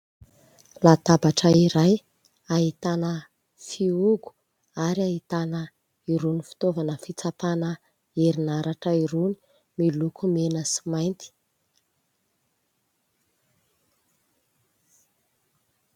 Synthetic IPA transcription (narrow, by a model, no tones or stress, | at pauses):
lat̪abaʈ͡ʂəiɾaj | aɦit̪anə | fiuɡu̥ | aɾiait̪anə | iɾunifi̥t̪ovanəfit͡sapanə | eɾinaɾaʈ͡ʂəiɾuni̥ | milukʰumenəsi̥majnt̪i̥